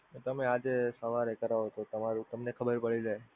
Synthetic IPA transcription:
ot̪əmead͡ʒesəʋaɾekəɾaɦot̪ot̪əmaɾut̪əmnekʰəbəɾpəɭiɾəɦe

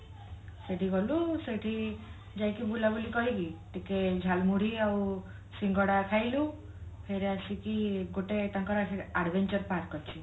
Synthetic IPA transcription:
seʈʰiɡɔluseʈʰi | d͡ʒajkibulabulikɔɦiɡiʈiked͡ʒʱalmuɽ̤iaw | siŋɡɔɽakʰajlũ | pʰeɾeasikiɡoʈet̪ãŋkɔɾakʰiaɽbʱent͡ʃɔɾpaɾkɔt͡ʃʰi

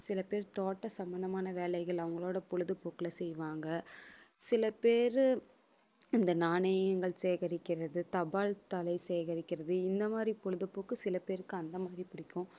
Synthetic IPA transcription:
sɪlɐpeːɾt̪oːʈːɐsɐmːɐnɐmaːnɐʋeːlɐɪɣɐɭɐʋɐŋɡɐɭoːɽɐpɔɻɯðɐpoːkɪlɐsɛjʋaːŋɡɐ | sɪlɐpeːɾ | ɪnd̪ɐnaːɳɐjɐŋɡɐɭseːɣɐɾɪkːɪɾɐðɯt̪ɐbaːlt̪ɐlɐɪsɛːɣɐɾɪkːɪɾɐðɯɪnd̪ɐmaːd̪ɾipɔɻɯðɐpoːkːɯsɪlɐpeːɾɯkːɯɐnd̪ɐmaːd̪ɾipɪɽɪkːʊ̃

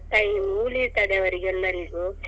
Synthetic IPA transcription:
ʈ̪ajimuːliɾt̪aːɽeʋɐɾiɡɛlːɐɾiɡu

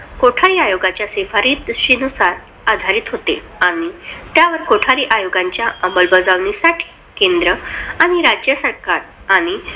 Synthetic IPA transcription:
koʈʰaɾiːajoɡat͡ɕjasefaɾiːt̪ɕinusaɾ | ad̪ʱaɾiːt̪ɦot̪ḛ | aɽ̃it̪jaʋəɾkoʈʰaɾiːʔajoɡaɲt͡ɕjaəmbəlbəd͡zaʋɳisaʈʰi̥ | kend̪ɾəaɽ̃iɾad͡ʑjəsəɾkaɾaɽ̃i

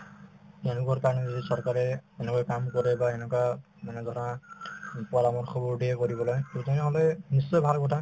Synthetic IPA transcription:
tɛnʊkaɹkaɹɔnɛzidisɔɹkaɹɛɛnɛkɔjkamkɔɹɛbaɛnɛkwa | manɛzɔɾa | pualamɔɹxʰɔbɔɹdʱiɛkoɹibɔlɔjtutanɛɦɔlɔjnisːɔjbʱalkɔtʰa

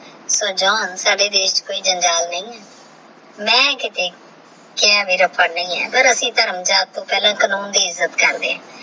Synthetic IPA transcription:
soːd͡ʒɔːnsaːɖeːd̪eːɪʃt͡ʃkoːiːd͡ʒənd͡ʒaːlnəĩːɛː | mɛ̃ːkɪt̪eː | kɪãːʋiːɾəpʰːəɽnəĩːɛ̰ːpəɾəsĩːt̪əɾəmd͡ʒaːt̪ːõːpɛːlãːkənuːnd̪iːɪzːət̪kəɾd̪ḛːɦãː

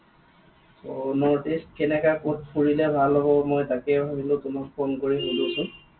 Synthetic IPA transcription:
tɔnɔɹtistkɛnɛkakot̚pʰuɹilɛbʱalːɔbɔmojtakɛɦoilʊtʊmakpʰonkoɹiɦudusʊ̃

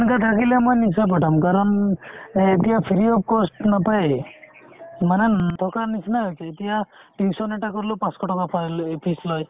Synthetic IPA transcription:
nkat̪ʰakilemojnis̬ap̬aʈʰamkaɾɔn | et̪ijapʰiɾiɔp̚kɔsʈnapaj | manɛt̪ʰɔkanisinaɦojsʰɛet̪ijaʈinsɔneʈakɔɾlopãskɔʈɔkapʰalpʰislɔj

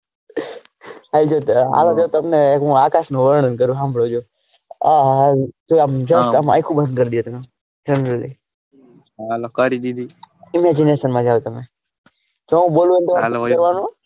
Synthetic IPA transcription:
ɦald͡ʒoɦa̰lod͡ʒot̪əmnekɦũakaʃnũʋəɾɳənkəɾũɦãmbʱɭod͡ʒoː | aɦat̪oamd͡ʒəsama̰jkʰũbə̃nd̪̚kəɾd̪ijot̪əme | d͡ʒɛnɾəlḭ | alokəɾid̪id̪iɪmɛd͡ʒineʃənmãd͡ʒaʋot̪əme | d͡ʒoũbolũent̪oakəɾʋanũ

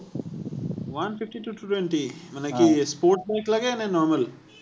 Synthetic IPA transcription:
ʋɐnfɪfʈiʈuːʈuːʈwɛ̃ɳʈimənẽkispoːɾʈbaɪklɐɡenẽnɔːɾməl

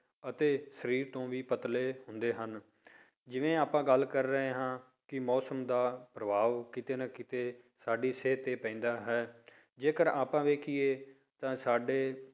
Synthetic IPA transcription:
ət̪eːsəɾiːɾt̪õːʋiːpət̪leːhʊnd̪eːɦən | d͡ʒɪʋẽːaːpãːɡəlkəɾːəɦeːɦãː | kɪmɔːsəmd̪aːpɾəʋaːʋkɪt̪eːnakɪt̪eː | saːɖiːseːt̪eːpɛ̃ːnd̪aːɦɛː | d͡ʒeːkəɾaːpãːʋeːkʰieː | t̪ãːsaːɖeː

